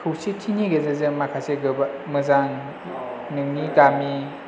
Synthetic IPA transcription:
tʰuwsitʰiniɡezezemakʰaseɡɯbamɯzaŋ | nɯŋniɡami

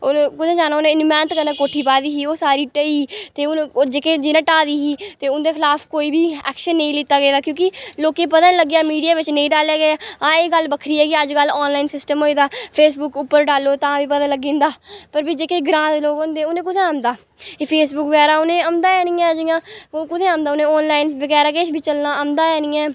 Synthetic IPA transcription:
okʊd̪ʰẽːd͡ʒaːnaːʊnẽːɪnmɛ̃ːnt̪kənãːkoːʈʰiːpaːd̪iːɦiːoːsaːɾiːʈəiːt̪eːʊd͡ʒeːkeːd͡ʒɪnãːʈaːd̪iːɦiːt̪eːʊnd̪eːxʰɪlaːfkoːiːbʱiːɛ̰ːkʃənːəĩlɪt̪ːaːɡeːd̪aːkjõːkɪloːkeːpət̪ãːləɡjaːmiːɖijaːʋɪt͡ʃnəĩːɖaːljaːɡeaːãːeːɡəlːbəkʰɾiːɛːɡiːəd͡ʒɡəlːɔːnlaːiːnsɪsʈəmɦoːiːd̪aːpʰeːsbʊkʊpːəɾɖaːlːoːt̪ãːʋiːpət̪ãːləɡːĩːnd̪aːpəɾbiːd͡ʒeːkeːɡɾãːd̪eloːɡond̪eːʊnẽːk̬ʊt̪ʰeːaːmd̪aː | eːpʰeːsbʊkʋəɡɛːɾaːʊnẽːəmd̪aːɛːnĩːɛːd͡ʒɪjãːkʊt̪ʰeːaːmd̪aːʊnẽːɔːnlaːɪnʋəɡɛːɾaːk̬eːʃbʱit͡ʃəlnãːəmd̪aːɛːnĩːɛː

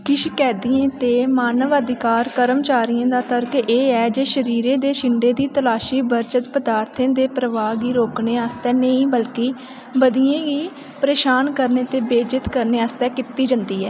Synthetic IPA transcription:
kɪʃkɛːd̪iẽːt̪eːmaːnəʋəd̪ɪkaːɾkəɾəmt͡ʃaːɾɪjãːd̪aːt̪ʰəɾkʔeːɛːd͡ʒeːʃəɾiːɾẽːd̪eːʃɪɳɖeːd̪iːt̪əlaːʃiːbəɾt͡ʃət̪pəd̪aːɾt̪ʰẽːd̪eːpɾəʋaːɡiːɾoːkneːaːst̪ɛːnəĩːbəlkiː | bəd̪ijẽːɡiː | pəɾeːʃaːnkəɾneːt̪eːbeːd͡ʒɪt̪kəɾneːaːst̪ɛːkɪt̪ːiːd͡ʒə̃nd̪iːɛː

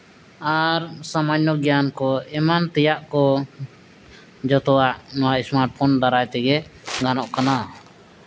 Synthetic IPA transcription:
aɾsamaɲːɔɡijankɔɛmant̪ɛjaʔkɔ | d͡ʒɔt̪ɔaʔnɔwaʔismaɾʈ̚pʰɔndaɾajt̪ɛɡɛɡanɔʔkana

